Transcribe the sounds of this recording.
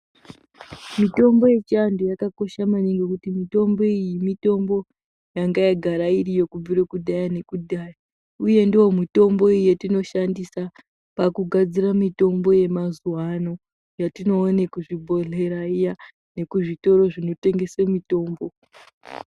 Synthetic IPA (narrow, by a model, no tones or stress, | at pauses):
mito̞mbo̞je̞t͡ʃiandojakako̞ʃamaniŋɡekutimito̞mbo̞ijimito̞mbo̞ | jaŋɡajaɡʱaɾairijo̞kub͡viɾekuɗajane̞kudaːja | uje̞ndiwo̞mito̞mbo̞ijetino̞ʃandisa | pakuɡʱad͡ziramito̞mbo̞je̞mazuwano̞ | jatino̞ːnekuʐibʱo̞ɮe̞ɾaija | ne̞kuʐito̞ɾo̞ʐino̞te̞ŋɡe̞semito̞ːmbo̞